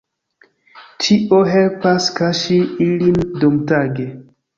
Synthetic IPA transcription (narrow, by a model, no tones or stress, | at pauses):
t͡ʃiʔoɦelpaskaʃiilindomtaɡe